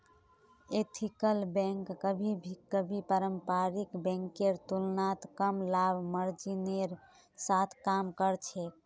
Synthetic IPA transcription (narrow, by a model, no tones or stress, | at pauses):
et̪ʰikəlbɛ̃ŋkːəbʱibʱikːəbʱipəɾəmpaɾikbɛ̃ŋkeɾt̪ulnat̪kəmlabməɾd͡ʒineɾ | sat̪ʰkamkəɾt͡ʃʰɛ